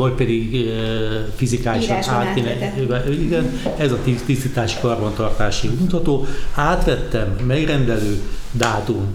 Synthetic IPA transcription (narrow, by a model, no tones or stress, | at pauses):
ɒcpɛd̪iɡ | fizikaːjiʃɒnaːt̪ːenɛiɡɛnɛzɒt̪it̪ist̪ːit̪aːʃi̥kɒrbont̪ɒrt̪aːʃiɡmut̪hɒt̪oːaːt̪ʋɛt̪ːɛmːɛɡrɛnd̪ɛløːd̪aːt̪um